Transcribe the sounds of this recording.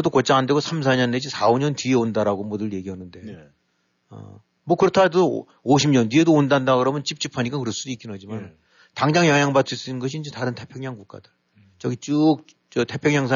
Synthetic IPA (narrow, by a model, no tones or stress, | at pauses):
ʌdokot͡ɕ͈aande̞ɡosʰams̬ʰaɲʌned͡ʑisʰaoɲʌntieondaɾaɡomodɯje̞ɡiɦanːɯnde̞ | ʌ̰ | mwʌkɯɾʌtʰado | oɕʰimɲʌndie̞doondandaɡɯɾʌmjʌnt͡ɕip̚t͡ɕ͈ipʰaɲik͈akɯɾʌɭs͈udoik͈inɦad͡ʑiman | taŋd͡ʑaŋjʌŋɦjaŋbat͈ʰɯis͈ɯinɯnɡʌɕʰiːnd͡ʑetaɾɯntʰe̞pʰjeŋɲaŋkuk͈a̰dḁ | t͡ɕʌɡit͡ɕuk̚ | t͡ɕʌtʰe̞pʰjeŋɲaŋsʰa